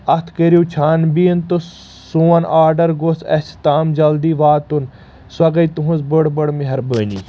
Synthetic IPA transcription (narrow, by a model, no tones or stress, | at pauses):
ɐt̪ʰkəɾjut͡ʃʰaːnbiːənt̪o | suɐnʔaːɾɖɐɾɡosʰɐ̰st̪aːmd͡ʒɐld̪iːʋaːt̪un | swɐɡɐit̪uɦuzbəɽbəɽmiɦɐɾbəːnḭ